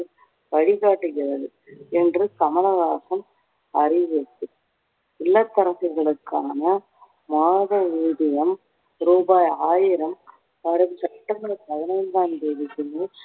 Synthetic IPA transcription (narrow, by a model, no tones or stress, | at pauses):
ʋɐɻɪɣaːʈːɯɣɪrɐðɯ | ɛndrɯkɐmɐlɐɣaːsɐm | ɐrɪʋɐt̪ːɯ | ɪlːɐt̪ːɐɾɐfɪɣɐɭɯkːaːnɐ | maːðɐʋiːɽɪjɐm | ɾuːbaːjaːjɪɾɐm | ɐɾɐʋsɐʈːɐmɐlɐpɐðɐnɐjɪld̪aːnd̪eːʋɪkːɯnɐ